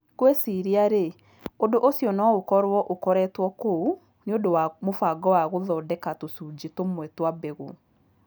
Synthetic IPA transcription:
kwesiɾiaɾe | odoʔosjɔnɔokɔɾwɔʔokɔɾɛtwɔkou | neodowamofaɡɔwaɣoðɔːdɛkatosud͡ʑitomwɛtwabɛɣo

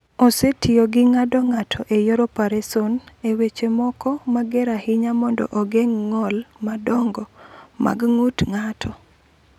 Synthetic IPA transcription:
osetioɡɪŋadɔŋatʰɔʔejoɾɔpaɾesonewet͡ʃemɔkɔmaɡɛɾahɪɲamɔndɔ̰ʔoɡeŋːɔlmadɔŋɡɔma̰ɡŋutŋatʰɔ

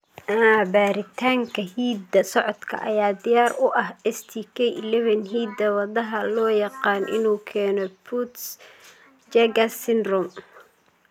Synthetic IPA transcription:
aːbaːɾɪt̪ʰaːŋkʰɐhiːd̪ɐsɔʕɔd̪kʰɐ̰ʔɐ̰jaːd̪ɪjaːrʊʔɐɦɛst̪ʰikʰɛlɛβɐnɦiːd̪ɐwɑðɐɦɐlɔːjɑqɑːnʔɪ̰nuːkʰɛːnɔpʰut̪s | d͡ʒɛɡɐsɪnrʊm

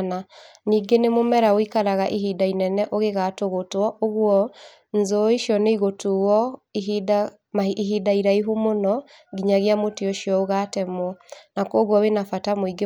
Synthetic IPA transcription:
naniːɡenemomɛɾaoikaɾaɣaʔiɦidainɛnɛʔoɣeɣatoɣotwɔʔoɣwɔ | nzoiʃjɔneiɣotuwɔda | maiɦidaiɾaiɦumonɔ | ɡiɲaɣjamotioʃiɔoɣatɛmwɔnakɔɣwɔβenafatamoiɡe

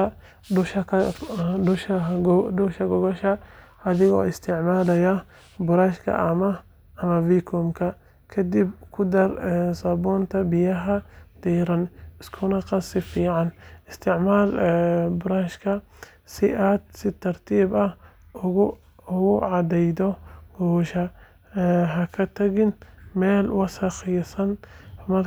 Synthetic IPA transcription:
ʊʃʰ | dʊʃdʊʃɐɡɔɣɔʃɐ | ɐðɪɣɔ̰ːɪst̪ʰɪʕmaːlɐjɐ | bʊɾaːʃkʰɐ̰ʔɐmɐ | ɐmɐviːkʰɔmkʰɐ | kʰɐd̪ɪbkʰʊd̪ɐrɛsɐbɔːnt̪ʰɐbɪjɐɦɐd̪̥ɛːɾɐnɪskʰʊnɐqɑsɪfiːʕɑnɪst̪ʰɪʕmaːlbʊɾaːʃkʰɐ | sɪʔaːd̪sɪt̪ʰɐrt̪ʰiːbɐh | ʊɣʊ | ʊɣʊʕɑd̪ɛjd̪ɔɡɔːʃɐ | ɦɐkʰɐt̪ʰɐɣɪnmɛːlwɑsɐxɪjsɐnmɐr

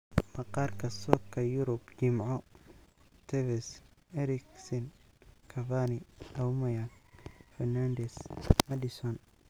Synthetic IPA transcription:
mɐqɑrkʰɐsɔkʰːɐjʊɾʊbt͡ʃɪmʕɔ | t̪ʰɛvɛs | ɛɾɪksɪn | kʰɐvaːnɪʔɐwmɐjafɛrnaːnd̪ɛsmɐd̪ɪsɔn

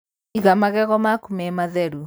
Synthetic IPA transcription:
iɣamaɣɛɣɔmakumɛmaðɛɾu

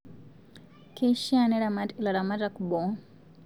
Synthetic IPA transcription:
kɛʃianɛɾamatilaɾamatakubɔ

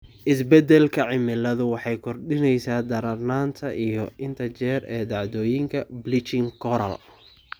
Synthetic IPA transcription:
ʔɪsbɛd̪ɛlkʰɐʕɪmɪlɐðʊwɑħɑjkʰɔrɖɪnɛjsaːd̪ɐɾɐrnaːnt̪ʰɐʔijɔɪnt̪ʰɐt͡ʃɛːrɛːd̪ɑʕd̪ɔːjɪŋkʰɐblɪt͡ʃɪŋkʰɔɾɐ̰l

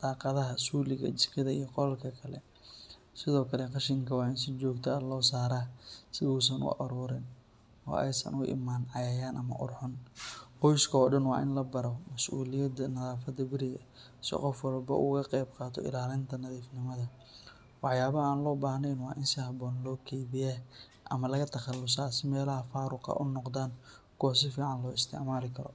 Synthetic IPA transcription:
d̪̥ɑːqɑðɐɦɐsuːlɪɣɐ̰t͡ʃɪskʰɪðɐijɔqɔlɐlkʰɐkʰɐlɛ̰ | sɪðɔːkʰɐlɛqɑʃɪŋkʰɐwɑːɪnsɪt͡ʃɔːɡt̪ʰɐlɔːsaːɾaːsɪuːs̬ɐnʔʊ̰ʔɐɾɔːɾɪn | ɔ̰ːʔɛ̰jsɐ̰nʊ̰ʔɪ̰maːnʕɑjɐjaːnʔɐmɐ̰ʔʊ̰rħʊnhɔjskʰɔːɖɐnwɑ̰ːʔɪnlɐbɐɾɔmɐsʔuːlɪjɐd̪ɐnɐðaːfɐd̪ɐbɪɾɪɣɐ | sɪ̰qɔfwɐlbɐ̰ʔṵːɣʰɐqɛjb̚qɑːt̪ʰɔ̰ʔɪ̰laːlɪnt̪ʰɐnɐðiːfnɪmɐðɐ | wɑħjaːβɐaːnlɔːbaːhnɛjnwɑːʔɪnsɪhɐbɔːnlɔːkʰɛjbɪjɛː | ʔɐ̰mɐlɐɣɐt̪ʰɐχɑlːʊsaːsɪmɛːlɐɦɐfaːɾʊqʰɐ̰ʔʊnːɔqd̪aːn | kʰɔs̬ɪfiːʕɑnlɔːɪst̪ʰɪ̰ʕmaːlɪkʰɐɾɔ̰

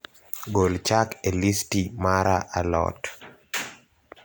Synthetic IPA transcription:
ɡolt͡ʃakelistimaɾaʔalɔ̰t

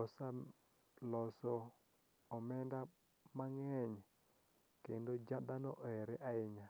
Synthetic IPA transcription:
ɔsa | lɔsɔː | mɛnda | maŋɛɲ | kendod͡ʒad̪anɔʔɛɾɛʔaɪɲa

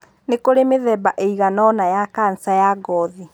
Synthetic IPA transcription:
nekoɾemeðɛbaʔeiɣanɔnajakan̩sajaɡɔði

